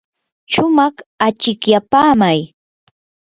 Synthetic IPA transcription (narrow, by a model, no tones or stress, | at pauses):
ʃʊmɑχat͡ʃɪkjapaːmaj